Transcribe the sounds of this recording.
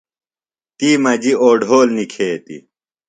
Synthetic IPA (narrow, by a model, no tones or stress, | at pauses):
t̪iːmɐd͡ʑioːɖʱoːlnikʰeːt̪ḭ